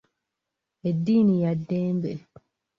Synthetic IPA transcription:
ed̪ːiːnijɐd̪ːeːmbe

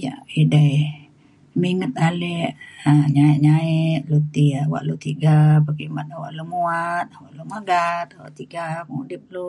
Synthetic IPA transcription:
ja̰ʔidaj | miŋət̪̚alɛʔaɲaiʔɲaɛʔ̪̚lut̪iawa̰ʔlut̪iɡabaɡimanawa̰ʔlumuat̪̚waʔlumaɡat̪̚awa̰ʔt̪iɡakudip̚lu

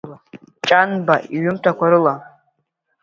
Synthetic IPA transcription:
t͡ʃʼanbaʔiɥʏmtʰakʷʰaɾɨla

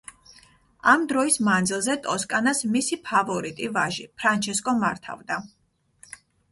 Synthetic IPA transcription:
amd̪ɾɔismand̪zilˠzɛt̪ʼɔskʼanasmisipʰavɔɾit̪ʼivaʒipʰɾant͡ʃʰɛskʼɔmaɾt̪ʰa̰vd̪a

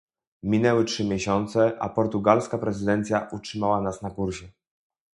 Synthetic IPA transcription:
mʲinɛwɛtʂɘmʲjɛɕɔnt̪sɛʔa̰pɔɾt̪uɡalskapɾɛzɘd̪ɛnt̪sʲjaʔut͡ʂʂɘmawanasnakuɾɕɛ

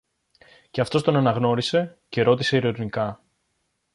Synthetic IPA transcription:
ce̞ɐft̪o̞st̪o̞nɐnɐɣno̞ɾise̞ce̞ɾo̞t̪ise̞iɾoɾnikɐ

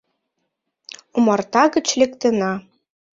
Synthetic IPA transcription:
umɑrt̪ɑɣə̆t͡ɕlʲĕkt̪ə̆nɑ

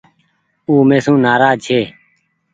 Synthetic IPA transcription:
uːmeːsũːnaːɾaːd͡ʒt͡ʃʰeː

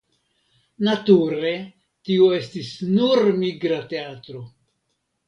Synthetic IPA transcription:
natuɾe̞ | tioe̞stisnuɾmiɡɾate̞atɾo̞

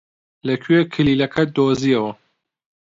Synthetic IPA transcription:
lɐkʰyekʰɨliːlɐkʰɐd̪oːziɐwɐ

